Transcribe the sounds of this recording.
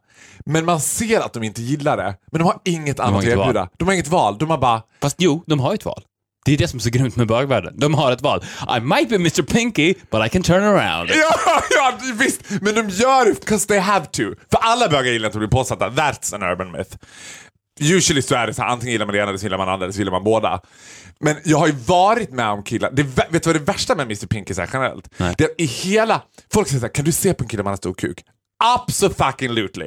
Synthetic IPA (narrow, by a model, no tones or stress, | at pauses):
mɛnmanseːɾa̰t̪̚d̪ɔmɪnt̪əjɪlːaɖɛ̰mɛnd̪ɔmhaɾɪŋːət̪ʰa̰nat̪ɛːjʉːd̪a̰d̪̥ɔmhaɾɪŋːət̪vɑːld̪ɔmhaɾbɑːɾafast̪juːd̪ɔmɦaɾɛt̪vɑ̰ːl | d̪̥ɛd̪ɛsɔmɛs̬ɔɡɾʏmt̪mɛbøːɡvæːɖə̰nd̪ɔmɦaɾɛt̪vɑ̰ːlʔa̰ɪmaɪt̪̚b̥iːmɪst̪ə˞pʰɪŋkɪb̥at̪aɪkʰɛnt̪ʰɜːɹnəɹã̰ʊ̃nd̪jɑjɑvɪst̪mɛnd̪ɔmjœːɾbkʰɔsðeɪɦævt̪ʰʉfœɾʔalːabœːɡaɾjɪlːɾɪnɔblɪɾpʰoːsat̪ːaðæt̪sə̃nɜ̰ːɹbənmɪ̰θ | jʉːʂəlɪsɔæɖɛsaæ̰ːʔant̪ɪŋənjɪlːɾmanɛeːnɛlːəsɔjɪlːɾmana̰nɾaɛlːəsɔjɪlːəma̰nboːd̪a̰ | mɛnjɑːɡhaɾjʉvɑːɾɪt̪mɛɔmkʰɪlːa̰d̪ɛvæveːt̪ːʉvad̪ɛvæʂʈamɛmɪst̪əɾpʰɪŋkɪsæ̰ɾɧɛnəɾɛ̰lt̪d̪̥ɛːat̪̚ɪheːlafɔlksɛjəsaːɾkʰand̪ɵseːpʰɔɛnkʰɪlːamanast̪ṵːɾkʰʉ̰ːk | ʔab̥sɔfakɪ̃ŋlʉːt̪lɪ̰